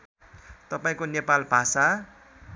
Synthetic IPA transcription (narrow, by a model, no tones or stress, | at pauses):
t̪ʌpaĩkonepalbʱasa